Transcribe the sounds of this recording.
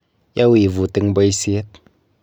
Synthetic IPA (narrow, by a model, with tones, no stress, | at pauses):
ja˦wi˨vu˨t̪i˧ŋbə˧jsi˧˦t̪̚